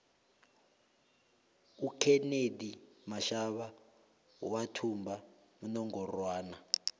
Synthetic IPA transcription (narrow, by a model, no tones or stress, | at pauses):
ukʰɛnedimaʃaβa | watʰumba | munɔŋɡɔrwaːna